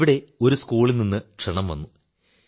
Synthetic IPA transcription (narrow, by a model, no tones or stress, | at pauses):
ʋiɽe̞o̞ɾuskuːɭilninːɨkʂeɳɐmʋɐ̰nːu